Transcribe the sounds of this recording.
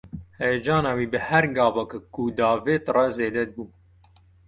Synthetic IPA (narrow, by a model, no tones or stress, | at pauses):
hɛjɛd͡ʒɑːnɑːwiːbɨhæɾɡɑːvɐkkud̪ɑːveːt̪rɛzeːd̪ɛd̪̚buː